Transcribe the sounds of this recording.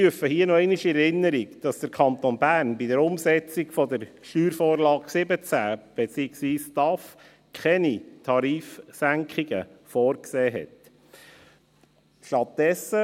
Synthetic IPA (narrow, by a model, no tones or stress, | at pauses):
yəfəhiənɔɛɪnɪʃiɛɾɪnːəɾiɡd̥ɑsd̥əɾkʰɑnt̪onbæːɾnbidəɾʊmsɛt͡sikfɔdəɾʃtyːɾfoːɾlɑːksɪbət͡sæːb̥et͡siːɪksʋiːstɑf | kʰɛnitʰɑɾiːfsæŋkχiɡ̥ə̰foːɾkseːɦɛ̰t | ʃtɑt̚d̥ɛsə